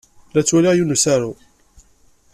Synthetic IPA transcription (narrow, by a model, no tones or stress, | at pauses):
læt͡sːwæliʁjunusaɾu